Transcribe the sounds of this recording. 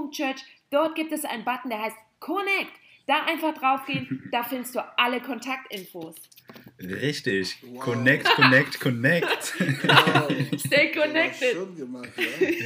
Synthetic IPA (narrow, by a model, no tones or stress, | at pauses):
ʊŋt͡ʃœɐt͡ʃd̥ɔɐt̚ɡ̥iːp̚tɛsʔa̰ɪnənbatn̩deːɐɦaɪst | kʰɔnɛk̚td̥aːʔaɪnfaχd̥ʁaʊfɡ̥eːənd̥aːfɪndəstd̥uːʔaləkʰɔntʰak̚tʔɪnfoːs | ʁɪçtɪçkʰɔnɛk̚tkɔnɛktkʰɔnɛkt | ʃteːkʰɔnɛk̚tɪt